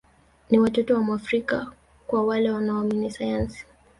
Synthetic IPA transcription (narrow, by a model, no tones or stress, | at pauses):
niwatɔtɔwamuafɾika | kwawalɛwanaɔminisajansi̥